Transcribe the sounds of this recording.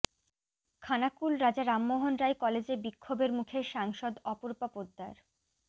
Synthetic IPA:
kʰanakulɾad͡ʑaɾamːoɦonɾajkɔled͡ʑebikʰːobeɾmukʰeʃaŋʃod̪ɔpoɾpapod̪ːaɾ

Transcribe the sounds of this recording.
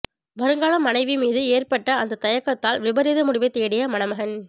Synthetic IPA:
ʋɐɾɯŋɡaːɭɐmːɐnɐɪʋimiːðɯeːrpɐʈːɐːnd̪ɐt̪ɐjɐkːɐt̪ːaːlʋɪbɐɾiːðɐmʊɽɪʋɐɪt̪ːeːɽɪjɐmɐnɐmɐɣɐn

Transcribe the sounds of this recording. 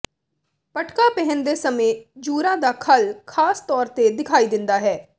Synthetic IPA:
pəʈkaːpɛɦənd̪eːsəmẽːd͡ʒuːɾãːd̪aːkʰəlkʰaːst̪ɔːɾt̪ed̪ɪkʰaːiːd̪ɪnd̪aːɦɛː

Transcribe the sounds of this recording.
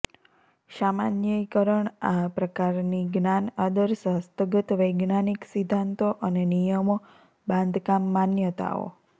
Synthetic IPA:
ʃamanjəjkəɾəɳapɾəkaɾniɡnanad̪əɾsəɦəst̪əɡət̪ʋəjɡnaniksid̪ʱːant̪oʔənenijəmo | bãnd̪ʱkamːanjət̪a̰o̰

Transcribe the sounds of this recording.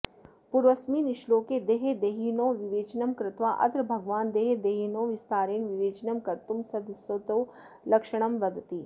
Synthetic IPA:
puɾʋɐsmiːnɪʃloːked̪eːɦed̪eːɦiːnoːʋiʋeːt͡ʃnɐmkɾɪt̪ʋaːʔɐ̰t̪ɾbʱɐɡʋaːnd̪eːɦed̪eːɦiːnoːʋɪst̪aːɾeːnʋiʋeːt͡ʃnɐmkɐɾt̪umsɐd̪ɪsoːt̪oː | lɐkʃəɽ̃ɐmʋɐd̪t̪iː

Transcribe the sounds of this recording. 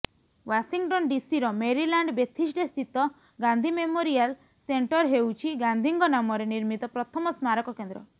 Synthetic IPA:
wasiŋʈɔnɖisiɾɔmeɾilaɳɖbjet̪ʰisʈest̪ʰit̪ɔ | ɡand̪ʱimemoɾial | seɳʈɔɾɦewt͡ʃʰiɡand̪ʱiŋɡɔnamɔɾeniɾmit̪ɔpɾɔt̪ʰɔmɔsmaɾɔkɔkend̪ɾɔ̰

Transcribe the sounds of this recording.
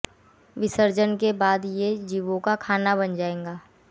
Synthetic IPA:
ʋɪsəɾd͡ʒənkebaːd̪jed͡ʒiːʋõkakʰaːnabɐnd͡ʒaːẽːŋɡaː

